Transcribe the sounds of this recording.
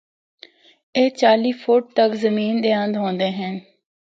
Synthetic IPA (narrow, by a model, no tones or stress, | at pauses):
eːt͡ʃaːliːpʰuːʈ̚t̪əkzəmiːnd̪eːə̃nd̪ɦõːnd̪eːɦɛn